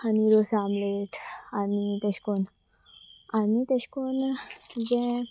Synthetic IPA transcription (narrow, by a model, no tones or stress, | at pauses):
aniɾosamleʈʰanit̪əɕkon | anit̪əɕkond͡ʑɛ̃